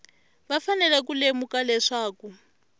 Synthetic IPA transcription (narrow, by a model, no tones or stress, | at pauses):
βafanɛlɛk̬ulemukalɛʂaːku